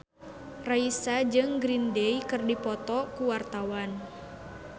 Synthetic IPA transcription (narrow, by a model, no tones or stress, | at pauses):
raisad͡ʒɨŋɡɾindɛjkɨrdipɔt̪ɔkuwart̪awan